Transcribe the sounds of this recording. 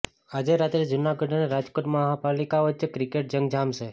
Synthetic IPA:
ad͡ʒeɾat̪ɾed͡ʒʊnaɡəɖneɾad͡ʒkoʈməɦapalikaʋət̪ːt͡ʃekɾikeʈ̚d͡ʒəŋɡd͡ʒamʃe

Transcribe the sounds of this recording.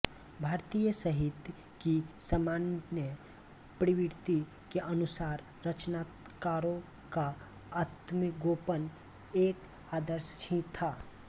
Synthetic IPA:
bʱaːɾt̪ijəsəɦɪt̪ | kisəmaːnjə | pɾɪwɪɾt̪i | keʔɐnʊsaːɾ | ɾət͡ʃnaːt̪ | kaːɾõ | ka | at̪mɡoːpən | eːk | aːd̪əɾʃĩt̪ʰaː

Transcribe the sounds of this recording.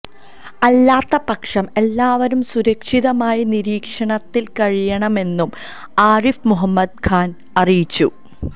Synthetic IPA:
ɐlːaːt̪ːɐpɐkʂɐme̞lːaːʋɐɾumsuɾɐkʂiðɐmaːjiniɾiːkʂɐɳɐt̪ːilkɐɻijɐɳɐme̞nːum | aːrifmuɦɐmːɐd̪̚kʰaːn | ɐrijit͡ɕːṵ

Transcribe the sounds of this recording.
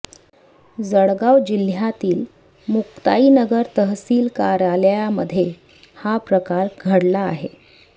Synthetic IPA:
d͡zəɽɡawd͡ʑil̤jat̪iːl | mukt̪a̰iːnəɡəɾt̪əɦsiːlkaɾaljaməd̪ʱːje | hapɾəkaɾɡʱəɽlaːɦe

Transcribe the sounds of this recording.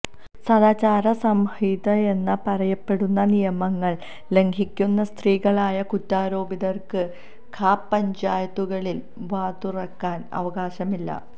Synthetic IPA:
sɐðaːt͡ɕaːɾɐsɐmhid̪ɐe̞nːɐpɐrɐjɐpːe̞ɽunːɐnijɐmɐŋːɐɭ | le̞ŋɡʰʱikʲːunːɐst̪riːɣɐɭaːjɐkutːaːɾo̞ːbiðɐrkɨ | kʰaːpːɐɲd͡ʑaːjɐt̪ːuɣɐɭil | ʋaːt̪urɐkːaːnɐ̰ʋɐɣaːɕɐmilːɐ̰

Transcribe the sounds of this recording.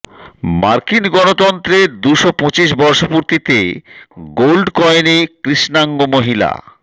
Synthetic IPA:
maɾkinɡɔnot̪ɔnt̪ɾeɾd̪uʃopõt͡ɕiʃ̬bɔɾʃopuɾt̪it̪e | ɡolɖkɔenikɾiʃnaŋɡomoɦila̰

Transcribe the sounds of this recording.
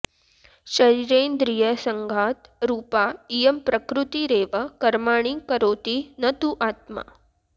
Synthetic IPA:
ʃɐɾiɾeːnd̪ɾijəsəŋɡʱaːt̪ɾuːpaijəmpɾəkɾut̪iɾeːʋəkɐɾmaːɽ̃ikɐɾoːt̪inɐt̪uʔaːt̪̚ma̰

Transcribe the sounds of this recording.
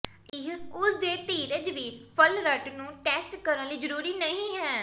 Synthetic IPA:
ɪɦʊsd̪eːt̪iːɾəd͡ʒʋiːɾpʰəlɾəʈnũːʈɛːsʈkəɾə̃liːd͡ʒəɾuːɾiːnəĩːɦɛː

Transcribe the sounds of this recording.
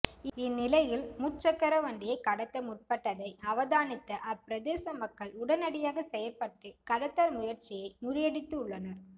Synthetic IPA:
ɪnːɪlɐjɪlmʊt͡ʃːɐkːɐɾɐʋɐɳɖɪjɐɪkɐɽɐt̪ːɐmʊʈ̚pɐʈːɐðɐɪɐʋɐðaːnɪt̪ːɐʔɐpːɪɾɐðeːsɐmɐkːɐɭʊɽɐnɐɽɪjaːɣɐsɛjɐɾpɐʈːɯkɐɽɐt̪ːɐɾmʊjɐɾt͡ʃɪjɐɪmʊɾɪjɐɽɪt̪ːɯʊɭːɐnɐɾ

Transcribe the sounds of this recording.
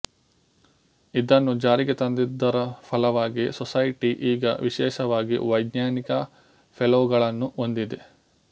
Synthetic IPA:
id̪ɐnːud͡ʒaːɾiɡet̪ɐnd̪id̪ːɐɾɐpʰɐlɐʋaːɡisɔsɐjʈiʔiːɡɐ̰ʋiʃɛːʃɐʋaːɡḭʋɐjd̪naːnikɐ | pʰeloːɡɐɭɐnːuo̞nd̪id̪e

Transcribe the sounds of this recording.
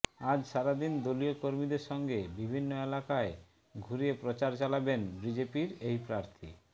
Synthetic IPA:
ad͡ʑʃaɾad̪ind̪oliokoɾmid̪eɾʃɔŋɡebibʱinːoelakae | ɡʱuɾiepɾot͡ɕaɾt͡ɕalabenbɾid͡ʑepiɾejpɾaɾt̪ʰḭ

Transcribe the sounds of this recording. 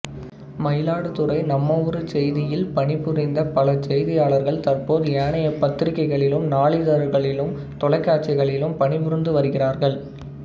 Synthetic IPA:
mɐjɪlaːɽɯt̪ɯrɐɪnɐmːɐʋɔɾɯt͡ʃɛjðɪjɪlpɐɳɪpːɯɾɐɪnd̪ɐpɐlɐt͡ʃɛjðɪjaːɭɐɾɣɐɭt̪ɐrpoːðɯeːɳɐjɐpɐt̪ːɾɪkːɐɪɣɐɭɪlɯmnaːɭɪðɐɾɣɐɭɪlɯm | t̪ɔɭɐɪkːaːʈ̚t͡ʃɪɣɐɭɪlɯmpɐɳɪʋʊɾɯnd̪ɯʋɐɾɯɣɪraːɾɣɐɭ

